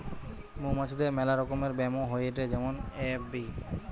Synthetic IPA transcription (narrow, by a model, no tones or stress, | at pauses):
mumat͡ɕʰid̪eɾmɛlaɾɔkomeɾbɛmoɦoeeʈed͡ʑɛmonebi